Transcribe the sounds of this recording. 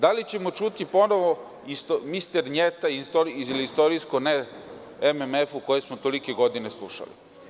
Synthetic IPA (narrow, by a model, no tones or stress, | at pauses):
d̪alit͡ɕe̞mo̞t͡ʃut̪ipo̞noʋo | ist̪omist̪eɾɲet̪aist̪oɾlist̪o̞ɾiskone | ememefuko̞jesmot̪o̞like̞ɡo̞d̪ine̞slˠuʃa̰lḭ